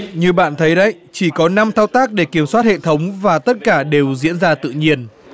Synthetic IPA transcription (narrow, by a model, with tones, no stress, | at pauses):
ɲɨ˧ɓa̰ː˧˨nt̪ʰə˨˦jɗə̰˧˥j | t͡ɕi˧˩kɔ˨˦na˧mt̪ʰaː˧wt̪aː˦˥k̚ɗe˧˩ki˧˩əmswaː˦˥t̚hḛ˧˨t̪ʰə˨˦wŋ͡mvaː˨˩t̪ə˦˥t̚kaː˧˩ɗe˨˩wzḭ˧˥ənzaː˧t̪ɨ̰˧˨ɲi˧ən